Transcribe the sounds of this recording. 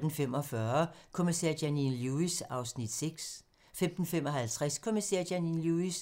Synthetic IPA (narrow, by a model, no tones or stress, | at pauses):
d̥n̩fem̰ɒ̽fɶɐkʰo̝misɛ̰ɐ̰d̥jæninluisɑ̈ʊsnid̥seɡ̥s | fem̰d̥n̩femɒ̽ɦælt͡sʰʁɛskʰo̝misɛɐ̰d̥æninluis